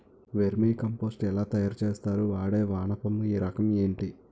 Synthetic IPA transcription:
ʋeɾmiːkɐmpo̞ːsʈɛlaːt̪ɐjaːɾɐt͡ʃeːst̪aːɾuʋaːɽe̞ːʋaːɳɐpɐmuiːɾɐkɐme̞ːɳʈi

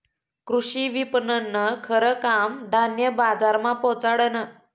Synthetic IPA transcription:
kɾuɕiːʋipnənːəkʰəɾəkamd̪ʱanjəbad͡zaɾmapɔt͡saɽənə

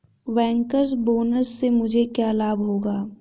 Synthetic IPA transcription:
ʋɛ̃ːŋkəɾsboːnəɾsːemʊd͡ʒʱekjaːlaːbɦoːɡaː

